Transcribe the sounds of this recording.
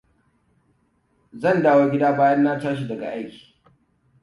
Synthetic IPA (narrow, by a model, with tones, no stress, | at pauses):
zɐ˦˨ndaː˦woː˦ɡʲɪ˦daː˦baː˦jɐ˦nːaː˦taː˦ʃ̬i˨dɐ˨ɡa̰˨ʔa˦jkʲi̥ː˨